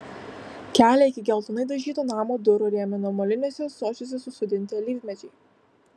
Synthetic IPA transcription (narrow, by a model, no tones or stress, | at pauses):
kʲæːlʲɛɪkʲɪɡʲɛlˠt̪ʊnɐɪd̪ɐʒʲiːt̪oːnɑːmoːd̪ʊɾoːɾʲiɛmʲɛnɔmɔlʲɪnʲeːsʲɛsoːt͡ʃʲosʲɛsʊsʊd̪ʲɪnʲt̪ʲɪlʲiːvʲmʲɛt͡ʃʲɛɪ